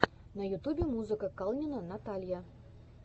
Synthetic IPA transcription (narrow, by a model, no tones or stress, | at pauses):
nɐjut̪ubʲemuzɨkəkɑlˠnʲinənat̪alʲja